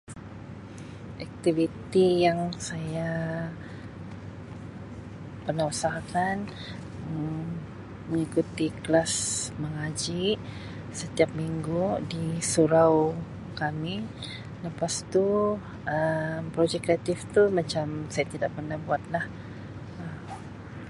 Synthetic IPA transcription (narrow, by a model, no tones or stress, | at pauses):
ʔɛk̚t̪ivit̪ijaŋsaja | pərnausahkan | ə | məŋikut̪iklasməŋad͡ʒi | sət̪iap̚miŋɡudisuɾaw | kami | ləpast̪u | əmpɾod͡ʒɛkɾeat̪ift̪umat͡ʃamsajat̪idaʔpərnahbuat̪̚lah | əm